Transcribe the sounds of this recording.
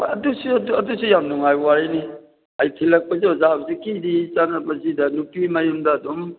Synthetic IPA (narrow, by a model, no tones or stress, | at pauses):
aɐdusuɐduɐdusujamnuŋajwaɾajni | ajtʰilɐk̚pɐziɔzabzikʰidit͡ʃanapɐzidɐnukimɐjumdɐːdum